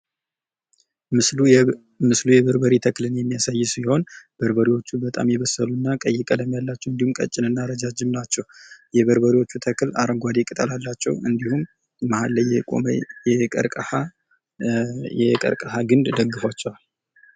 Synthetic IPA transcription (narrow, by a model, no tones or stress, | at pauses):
mɨslujɛβəɾbəɾit̪ʰəklɨnjɛmːijasajːɪsiho̞nb̥əɾbəɾiwo̞t͡ʃːubət̪ʼa̰mjɛβəsəlunːakʼəjːɪkʼələmjalːat͡ʃːɛwɨnd̪ihumkʼə̰t͡ʃʼːɪnɨnːaɾəd͡ʒad͡ʒɪmnat͡ʃːɛwjɛβəɾbəɾiwo̞t͡ʃːut̪ʰəkla̰ɾəŋɡʷad̪ekʼɨt̪ʼəlalːat͡ʃːɛ̰wɨnd̪ihumː | ahalːəjɛkʼo̰mə̰jɛkʼə̰ɾkʼəha | ɛkʼə̰ɾkʼəhaɡɨnd̪d̪əɡːɨfat͡ʃːɛwal